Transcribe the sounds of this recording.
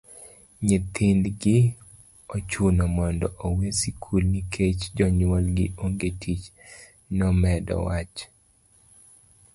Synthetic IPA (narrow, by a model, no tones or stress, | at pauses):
ɲet̪ʰɪnd̪ɡɪ | ot͡ʃunɔmɔndɔʔowesikʰulnikʰet͡ʃd͡ʒɔɲwɔlɡɪ̰oŋɡetʰit͡ʃ | nɔmɛdɔ̰wat͡ʃ